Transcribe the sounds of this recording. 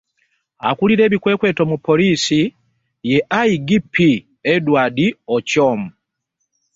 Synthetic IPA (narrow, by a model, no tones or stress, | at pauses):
a̰kuliɾe̞ːβikwe̞ːkwe̞ːto̞mupʰːo̞liːsi | jeʔaiɡipʰːi | edwaːdiocoːmu